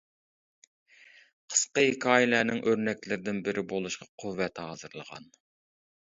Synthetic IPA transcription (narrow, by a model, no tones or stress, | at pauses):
qʰə̥sqəhikʰɑːjɪlænɪŋʔøɾnɛkʲlɪɾɪd̪ɪnbɪɾʔɪbolˠuʃqʰɑqʰuvːɛt̪hɑ̰ːzɨɾlˠəʁɑ̰n